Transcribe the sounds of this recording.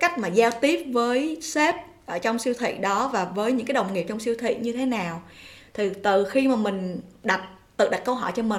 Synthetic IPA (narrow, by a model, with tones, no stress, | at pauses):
ka˦˥jk̟̚maː˨˩zaː˧wt̪i˦˥əp̚vəː˨˦jse˦˥p̚ | ʔəː˧˩t͡ɕɔ˧wŋ͡msi˧wt̪ʰḭ˧˨ɗɔ˨˦vaː˨˩vəː˨˦jɲɨ̰˧˥ŋkaː˨˦jɗə˨˩wŋ͡mŋi˨˩əp̚t͡ɕɔ˧wŋ͡msi˧əwt̪ʰḭ˧˨ɲɨ˧t̪ʰe˨˦naː˨˩wt̪ʰi˨˩t̪ɨ˨˩xi˧maː˨˩mï˨˩ŋ̟ɗa˨˩t̚t̪ɨ̰˧˨ɗa˨˩kə˧wɦɔ̰˧˩jt͡ɕɔ˧mï˨˩